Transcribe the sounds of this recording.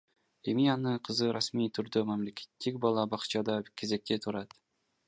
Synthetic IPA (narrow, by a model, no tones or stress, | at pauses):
emijanɨqʰɨzɨɾʔasmijt̪ʰʊɾd̪ɵmæmlekʲʰe̥t̪ːɪkʲbɒlˠɑbɑχt͡ʃʰɑd̪ɑkʲʰːezekʲːet̪ʰʊɾɑd̪̥